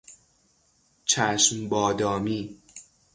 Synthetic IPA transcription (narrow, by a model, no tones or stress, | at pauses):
t͡ʃʰæːʃmbɒːd̪ɒːmiː